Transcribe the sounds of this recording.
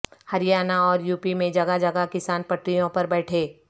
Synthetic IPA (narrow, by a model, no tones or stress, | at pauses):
hɐɾɪjaːnaɔːɾjuːpimẽd͡ʒɐɡad͡ʒɐɡakɪsaːnpɐʈɾijõpɐɾbɛːʈʰeː